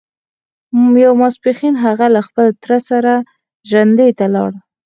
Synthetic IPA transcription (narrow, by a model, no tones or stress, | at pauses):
jawmaspixinɦaɣalaxpəlt̪ɾasaɾa | ʒand̪et̪alɑ̰ɽ